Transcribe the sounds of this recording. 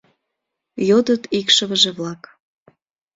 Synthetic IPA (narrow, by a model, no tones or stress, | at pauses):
jod̪ət̪ikʃəβəʒeβlɑk